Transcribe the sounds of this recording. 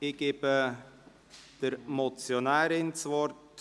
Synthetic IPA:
ɪɡ̥eːb̥ə | d̥əɾmɔt͡sjonaːɾɪnt͡svɔrt

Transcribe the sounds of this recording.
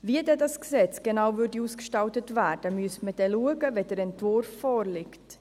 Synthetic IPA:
viədɛdɑsksɛt͡sɡ̥enawvʏɾdiuːskʃtɑltətværd̥əmyəstməd̥ɛluəɡəvɛdəɾɛntvʊɾfːɔːɾlɪkt

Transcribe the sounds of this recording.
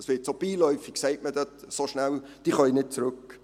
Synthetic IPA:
əsʋɪːtsob̥iːlɔʏfɪkseɪtməd̥øt̪soʃnæld̥iːχœinɪt̚t͡sɾʉk

